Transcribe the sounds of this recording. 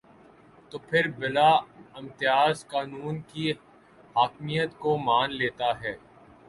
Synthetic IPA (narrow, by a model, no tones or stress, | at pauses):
t̪oːpʰɪɾbɪlaɪ̃mt̪ɪjaːzkaːnuːnki | ɦaːkmijət̪komaːnleːt̪aɦɛː